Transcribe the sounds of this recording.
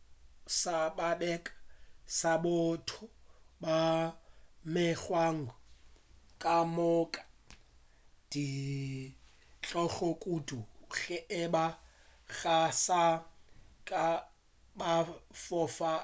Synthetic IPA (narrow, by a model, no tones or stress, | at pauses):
sababɛkʼḁsabʊtʰʊba | mɪχwaŋ̩ɡʊ | kʼamɔkʼḁ | d̥i | t͡ɬʼɔχɔkʼuduɣɛʔɪba | ɣasa | kʼa | bafɔfa